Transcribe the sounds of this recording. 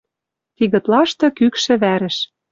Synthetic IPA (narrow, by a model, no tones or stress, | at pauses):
t̪iɣɤ̆t̪lɑʃt̪ɤ̆kykʃɘ̆βæɾɘ̆ʃ